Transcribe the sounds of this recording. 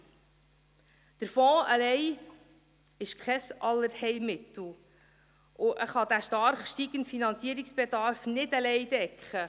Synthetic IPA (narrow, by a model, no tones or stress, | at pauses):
d̥əɾfɔːəlɛj | ɪʃkʰχɛsʔɑlːəɾhɛɪlmɪt̪l̩ˠ | ʔʊʔəχɑd̪æʃtɑɾχʃtiɡ̥əntfinɑnt͡siəɾiksb̥ɛd̪ɑɾfnɪdəlɛjd̥̪ɛkχə